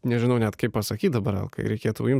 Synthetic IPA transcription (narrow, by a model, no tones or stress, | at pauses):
nʲɛʒʲɪnɐʊnʲɛt̪kɐɪppɐsɐkʲiːt̪d̪ɐbɐɾɛ̰lˠkɐ̰ɪ̰ɾʲɛɪkʲeːt̪ʊjɪm